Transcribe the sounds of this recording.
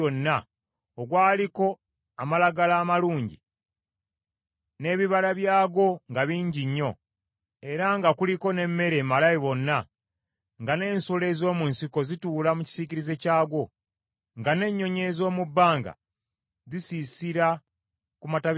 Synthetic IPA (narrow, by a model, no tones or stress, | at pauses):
onːa | oɡwaːliko̞ | amalaɡalaːmaluːɲɟḭ | ne̞βiβalaβjaːɡo̞ŋɡaβiːɲɟiɲːo̞ | e̞ɾaŋɡakuliko̞ne̞mːe̞ɾeːmalajiβo̞nːa | ŋɡane̞ːnsule̞ːzo̞ːmunsiko̞zituːlamuci̥siciɾize̞caːɡo̞ | ŋɡane̞ɲːo̞ɲe̞zo̞ːmubːaːŋɡa̰ | zisisiɾa | kumata